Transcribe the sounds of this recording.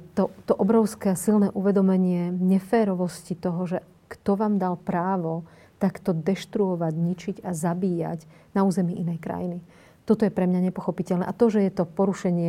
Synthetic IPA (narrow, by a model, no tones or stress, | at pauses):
t̪ɔt̪ɔʔɔbɾɔʊskɛasilnɛːʔuʋɛd̪ɔmɛɲɪɛɲɛfɛːɾɔʋɔscit̪ɔɦɔʒɛ | kt̪ɔʋaːmd̪alpɾaːʋɔ | t̪akt̪ɔd̪ɛʃt̪ɾuɔʋaɟɲit͡ʃiɟazabiːja̰ɟnauːzɛmiʔinɛjkɾa̰jini | t̪ɔt̪ɔjɛpɾɛmɲaɲɛpɔxɔpicɛlnɛ̰ʔat̪ɔʒɛjɛt̪ɔpɔɾuʃɛɲɪɛ